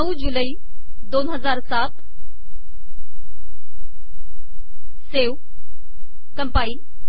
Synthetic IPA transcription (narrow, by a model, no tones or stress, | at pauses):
nəud͡ʑuləi | d̪oːnɦəzaːɾsat̪ | seːw | kəmpai